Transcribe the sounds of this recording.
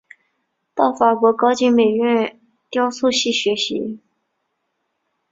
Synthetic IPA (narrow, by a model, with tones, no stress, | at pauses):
t̪ɑ˥˩ʊfa˨˩kwɔ˧˥kɑ˥ʊt͡ɕi˥ŋme˨˩ɪɥɛ˥˩n | t̪jɑ˥ʊsu˥˧ɕi˥˩ɕɥɛ˧˥ɕi˧˥